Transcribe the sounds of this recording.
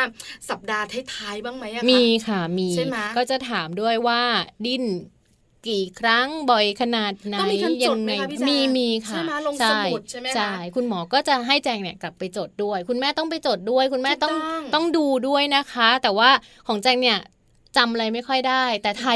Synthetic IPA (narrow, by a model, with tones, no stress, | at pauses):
a˥˩sa˨˩p̚daː˧t̪ʰa˦˥˩t̪ʰaː˧˥jbaː˥˩ŋma˦˥jʔa˨miː˧kʰa˥˩miː˧˥˩kɔː˥˩t͡ɕa˨˩t̪ʰaː˩˦mdu˥˩əjwaː˥˩di˧˩n | kiː˨˩kʰɾa˦˥˩ŋbɔ˨˩jkʰa˧naː˨˩t̪̚na˥˩˦i˧jʰːa˧˨˧ŋːa˧jmiː˧miː˧kʰa˥˩ma˧lo˧ŋt͡ɕʰa˧˥˩jt̪̚t͡ɕʰa˥jm˦˥t͡ɕʰaa˥˩jkʰu˧nmɔː˩˦kɔː˥˩t͡ɕa˨˩ɦa˥˩jt͡ɕɛː˧ŋni˥˩kla˨˩pːa˧jt͡ɕo˨˩t̪̚du˥˩əjkʰu˧nmɛː˥˩t̪ɔ˥˩ŋp̬a˧jt͡ɕo˨˩t̪̚du˥˩əjkʰu˧nmɛː˥˩t̪ɔ˥˩ŋŋt̪ɔ˥˩ŋduː˧du˥˩əjna˦˥kʰa˦˥t̪ɛː˨˩waː˥˩ | kʰɔː˩˦ŋt͡ɕɛː˧ŋni˥˩ɐ | t͡ɕa˧mʔa˧ɾa˧jma˥˩jkʰɔ˥˩jdaː˥˩jt̪ɛː˨˩t̪ʰa˧